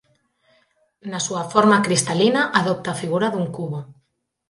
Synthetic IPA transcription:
nasuafɔɾmakɾist̪alinaʔaðɔp̚t̪aːfiɣ̞uɾaðuŋkuβo

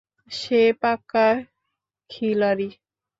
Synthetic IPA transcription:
ʃepakːa | kʰilaɾi

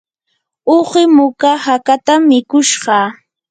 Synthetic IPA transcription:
oɢɪmʊkahakat̪amːɪkʊʃɢɑ

